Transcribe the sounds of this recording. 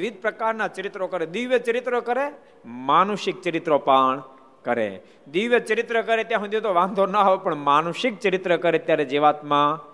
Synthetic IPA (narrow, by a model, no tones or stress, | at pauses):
ʋɪd̪̚pɾəkaɾnat͡ʃəɾɪt̪ɾokəɾed̪iʋjət͡ʃəɾɪt̪ɾokəɾe | manuʃɪk̚t͡ʃəɾɪt̪ɾopaːɳ | kəɾḛ | d̪iʋjət͡ʃəɾɪt̪ɾəkəɾet̪jãɦũd̪jot̪oʋãnd̪ʱonəaʋepəɳmaːnuʃɪk̚t͡ʃəɾɪt̪ɾəkəɾet̪jaɾed͡ʒeʋaːt̪mã